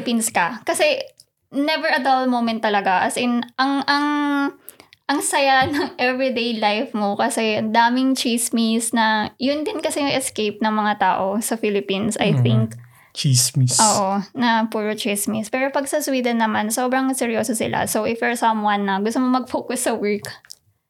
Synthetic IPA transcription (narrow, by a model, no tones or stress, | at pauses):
pinskɐkɐsɛ | nɛvɛɹɐd̪ɐlmowmɛ̃nt̪ːɐlɐɡaʔɐsɪnʔɐŋʔɐŋ | ʔɐŋsɐjanɐŋʔɛvɹid̪ejlajfmokɐsɛɐnd̪aːmɪŋt͡ʃismisnɐjʊnd̪ɪnkɐsɛjʊʔɛskejp̚nɐŋmɐŋat̪a̰ːʔo̞sɐfilɪpinsʔɐ̰jθɪŋk | t͡ʃismiʔoːʔʔonɐpuːɾot͡ʃismispɛːɾopɐɡsɐswiːd̪ɐnːɐmanso̞ːbɾɐŋsɛɾjoːsosɪ̰la̰sowʔɪfɛɹsɐ̃mwɐnːɐɡʊst̪omomɐɡ̚foːkʊsːɐwɛɹk